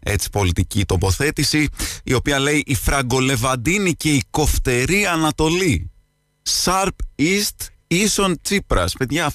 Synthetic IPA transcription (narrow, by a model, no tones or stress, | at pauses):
e̞t͡si̥po̞lit̪iciːt̪o̞po̞θe̞t̪isiio̞piɐle̞iʔifɾɐɡo̞le̞vɐd̪inice̞iko̞ft̪e̞ɾiɐnɐt̪o̞li | sɐɾpist̪ | iso̞nt͡sipɾɐ̰spe̞ðʝɐ